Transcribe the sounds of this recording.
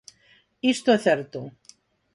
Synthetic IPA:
ist̪oɛθɛɾt̪o

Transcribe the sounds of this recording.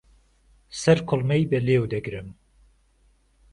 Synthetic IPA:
sɛɾkʰolmɛjbɛleːwd̪ɛɡɾɨm

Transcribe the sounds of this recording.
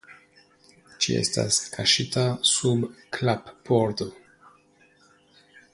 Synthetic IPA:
t͡ʃḭḛsta̰skʰaʃitasubklapːoɾto

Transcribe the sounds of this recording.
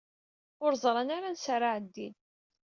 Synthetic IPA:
ʊɾzˤɾˤɑnaɾansaɾaʕəd̪ːin

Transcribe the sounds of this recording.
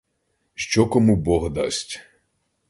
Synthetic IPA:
ʃt͡ʃɔkɔmubɔɣd̪a̰sʲtʲ

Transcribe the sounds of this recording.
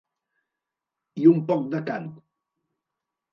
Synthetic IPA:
iumpɔk̚d̪əkanu

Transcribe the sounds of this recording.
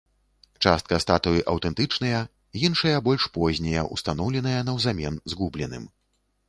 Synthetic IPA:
t͡ʂast̪̚kɐst̪at̪ujiʔɐwt̪ɛnt̪ɨt͡ʂnɐjɐ | jinʂɐjɐbɔlʲʂpɔzʲnʲɛjɐʔṵst̪an̪ɔwlʲɛnɐjɐnɐwzamʲɛnzɣublʲɛnɨ̰m

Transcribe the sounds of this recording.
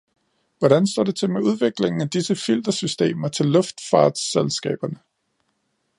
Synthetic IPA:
ʋɒɾænsd̥ɒ̰ːd̥e̝t͡sʰe̝lmeuð̞ˠʋe̝ɡ̥le̝ŋn̩æd̥isəfil̰d̥ɐsysd̥e̝̰ːmɐt͡sʰe̝lːɔ̽fd̥fɑ̈ːd̥selsɡ̥ɛ̰ːb̥ɐnə

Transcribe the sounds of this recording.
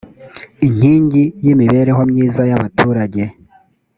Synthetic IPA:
iɲ̥hiːɲɟijimiβe̞ɾe̞ɦo̞mɲiːzajaβatʰuːɾaɟe̞

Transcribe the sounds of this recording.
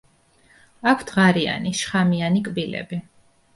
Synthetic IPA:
akʷʰt̪ʰʁaɾia̰niʃχamianikʼbilɛ̰bi

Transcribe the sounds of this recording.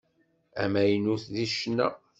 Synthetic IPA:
æ̰mæjnuθðiʃnːæ̰

